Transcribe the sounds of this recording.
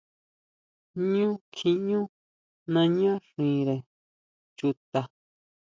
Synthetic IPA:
ɲũ˦kʰĩ˧ɲũ˦ | nã˧ɲã˦ʂĩː˨ɾe˨ | t͡ʃu˧t̪a˧

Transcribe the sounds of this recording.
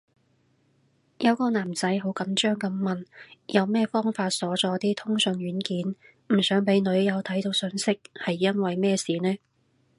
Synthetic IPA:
jɐ˨˧wkɔː˧naː˨˩mt͡sɐ˨˥jɦo˨˥wkɐ˨˥mt͡ʃœː˥ŋkɐ˨˥mːɐ˨njɐ˨˧wmɛː˥˧fɔː˥ŋfaː˧t̚sɔː˨˥t͡sɔː˨˧t̪iː˥t̪ʰʊ˥ŋsɵ˨˧nɥyː˨˥nkiː˨˥n | m̩˨˩sœː˨˥ŋpe˨˥jnɵ˨˧˥ɥjɐ˨˧wt̪ʰɐ˨˥jt̪o˨˧wsɵ˨˧nsɪ˥k̚hɐ˨jːɐ˥nwɐ˨jmɛː˥˧siː˨˩nɛː˥

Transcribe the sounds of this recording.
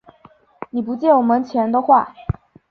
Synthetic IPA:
ni˨˩pu˧˥t͡ɕjɛ˥˩wɔ˨˩mə˧˦nt͡ɕʰjɛ˧˥nt̪o˥xwa˥˩

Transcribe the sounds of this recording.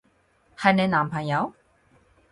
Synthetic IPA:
ha˧˩nɛ˧naː˨˩mpʰa˨˩nja˨˧˥w

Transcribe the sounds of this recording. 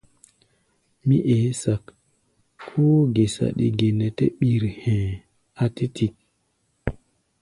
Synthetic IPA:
mi˦ʔeː˨˦sa˨k | kʰːo˦ɡe˨sa̰˨ɗḭ˨ɡe˨ne˨tḛ˦ɓi˨ɾhẽ˨ | a˦ti˦ti˨k̚

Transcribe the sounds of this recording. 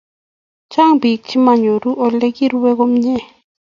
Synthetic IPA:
t͡ʃa˦ŋbi˨k̚t͡ʃi˦ma˨ɲo˨ɾu˦ʔo˦˧le˦ki˦ɾu˦we˦ɣo˦mɲe˦˨

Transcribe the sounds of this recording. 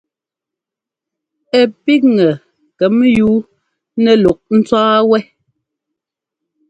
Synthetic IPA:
ɛ˨pi˦k̚ŋɛ˨ | kɛ˨mjuː˨˦ | nɛ˨lɔ˨k̚n̩˦t͡saː˦wɛ˦

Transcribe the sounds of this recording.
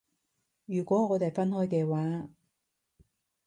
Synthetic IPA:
jyː˨˩kʷɔː˨˥ŋɔː˨˧t̪e˨jfɐ˥nhɔː˥jkɛː˧waː˨˧˥

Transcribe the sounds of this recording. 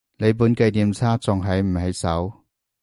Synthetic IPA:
ne˨˧jp̬uː˨˥nkɐ˧jniː˨mt͡sʰaː˥t͡sʊ˨ŋɦɐ˨jm̩˨˩hɐ˨˧jsɐ˨˥w

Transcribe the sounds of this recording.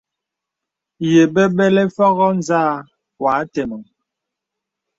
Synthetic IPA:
je˨ɓɛ˦ɓɛ˦lɛ˦fɔ˦ɣɔ˦n˨za˦˨ | wa˨˦tɛ˨mɔ˨

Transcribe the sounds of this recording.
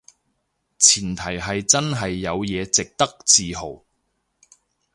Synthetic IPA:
t͡sʰiː˨˩nt̪ʰɐ˨˩jɦɐ˨jt͡sɐ˥nɦɐ˨jːɐ˨˧wjɛː˨˧t͡sɪ˨k̚t̪ɐ˥k̚t͡siː˨ɦo˨˩w

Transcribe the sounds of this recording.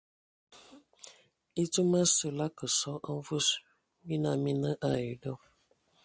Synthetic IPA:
i˦tu˦ma˦sə˨la˦kə˨sɔ˨˦ə˦ɱ˦vu˦s | bi˦na˨mi˦nə˦ʔa˨ji˨dɔ˦˨

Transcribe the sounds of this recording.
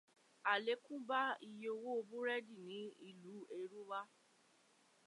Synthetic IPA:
a˨le˨˦kũ˦ba˦i˧jo˧wo˦o˧bũ˦ɾɛ˦di˦˨nĩ˨˦i˧lu˨˦e˧ɾu˦wa˦

